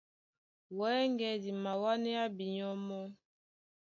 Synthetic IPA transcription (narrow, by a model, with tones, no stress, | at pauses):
wɛ˨˦ŋɡɛ˨di˨ma˨wa˦nɛ˦a˦bi˨ɲɔ˦mɔ˦